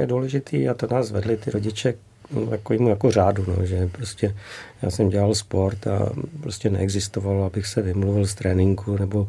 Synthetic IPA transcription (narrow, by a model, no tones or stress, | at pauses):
jɛduːlɛʒɪt̪ʰiːat̪onaːsvɛ̰dlɪt̪ɪɾoɟɪt͡ʃɛ | t̪akoviːmujakor̝aːduno̞̰ʒɛpɾoscɛja̰ːsɛmɟɛlalspo̞ɾt̪a̰pɾoscɛnɛ̰ɛɡzɪst̪ovalabɪxsɛvɪmluvɪlst̪ɾɛːnɪŋkʰunɛbo̞